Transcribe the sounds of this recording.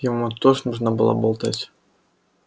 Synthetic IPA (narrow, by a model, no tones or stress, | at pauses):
jamut̪ɔʐnuʐnɐbɨ̰lˠɔ̰bɔlˠt̪at͡sʲ